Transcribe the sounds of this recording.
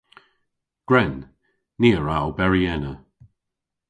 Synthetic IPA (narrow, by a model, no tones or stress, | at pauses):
ɡ̥ɹɛnː | iːəɹawbɛɹiɛnə